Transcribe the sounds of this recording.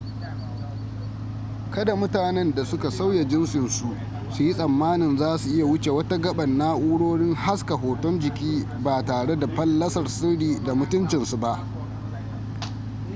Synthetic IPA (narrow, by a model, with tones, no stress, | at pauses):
kɐ˦da˨mʊ˦taː˨nɛ˦nda˨sʊ˦ka˨sa˦wja˨d͡ʒɪ˦nsɪ˨nsu˨ʔ | su˨ji˦sʼɐ˨mːaː˦nɪ˨nzaː˦su˨ʔɪ˦ja˨wʊ˦t͡ʃe˨wɐ˦ta˦ɡɐ˦ɓɐ˨nːaː˦ʔuː˦ɽoː˦ɽɪ˦ŋha˦ska˨ɦoː˨tɔ˦nd͡ʒɪ˨kʲiː˦ | baː˨taː˨ɽe˦da˨ɸɐ˦lːɐ˦sɐ˨rsɪ˦ɽiː˨da˨mʊ˦tʊ˦nt͡ʃɪ˨nsu˨ba˦ʔ